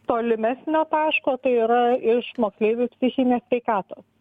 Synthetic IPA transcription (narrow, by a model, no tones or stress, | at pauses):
t̪oːlʲɪmʲæsʲnʲoːt̪ɑːʃkoːt̪ɐɪiːɾɐɪʃmoːksʲlʲeːʋʲupʲsʲɪxʲɪnʲeːssʲʋʲɛɪkɑːt̪oːs